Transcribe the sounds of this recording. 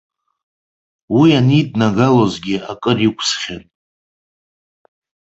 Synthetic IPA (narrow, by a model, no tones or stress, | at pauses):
wianidnaɡalozɡʲɪakʼɨrikʷʰsχʲan